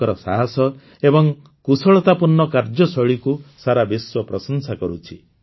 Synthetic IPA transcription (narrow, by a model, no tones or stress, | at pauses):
ɔɾɔsaɦasɔ | ebɔŋ | kusɔɭɔt̪apuɾnːɔkaɾd͡ʒɔsɔɭikusaɾabiswɔpɾɔsɔnsakɔɾut͡ʃʰi